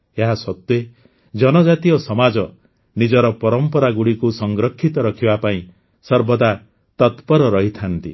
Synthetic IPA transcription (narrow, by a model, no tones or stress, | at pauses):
eɦasɔt̪ːe | d͡ʒɔnɔd͡ʒat̪iɔsɔmad͡ʒɔ | nid͡ʒɔɾɔpɔɾɔmpɔɾaɡuɽikusɔŋɡɾɔkʰːit̪ɔɾɔkʰibapaĩ | sɔɾbɔd̪a | t̪ɔt̪pɔɾɔɾɔɦit̪ʰant̪ḭ